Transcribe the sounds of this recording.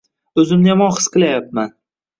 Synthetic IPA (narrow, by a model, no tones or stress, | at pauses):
ɵzɪmnjamɒχɨ̥sqɨlajap̚man